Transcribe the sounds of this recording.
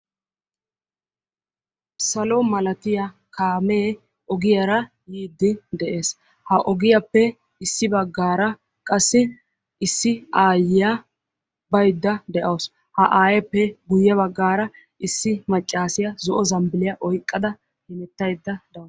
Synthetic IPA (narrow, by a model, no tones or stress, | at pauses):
sɐlɔmɐlɐt̪ɪja | kaːmeː | ɔɡɪjɐɾɐ | jiːd̪ːɪd̪ɛʔe̞ːs | hɐʔɔɡɪjɐpːɛ | ɪsːɪbɐɡːaːɾɐ | kʼɐsːɪ | ɪsːɪaːjɪja | bɐjd̪ːɐd̪ɛʔɐws | hɐʔaːjɐpːɛɡʊjːɐβɐɡːaːɾɐ | ɪsːɪmɐt͡ʃʼːaːsɪjɐzɔʔɔzɐmbɪlɪjɐʔɔjkʼːɐd̪ɐ | hɪnɛt̪ːɐjd̪ːɐd̪ɛ